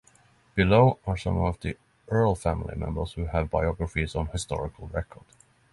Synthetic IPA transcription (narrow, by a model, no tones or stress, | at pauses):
b̥ɨloʊəɹsʌ̰̃mʌvði | ʔɜ˞lˠfæ̃mlˠḭmɛ̰̃mbə˞z̥hʉəvbaɪɑɡɹəfiz̃n̩hɨstɔ̰ɹɪkʰəl̩ˠɹɛkʰɔɹd̥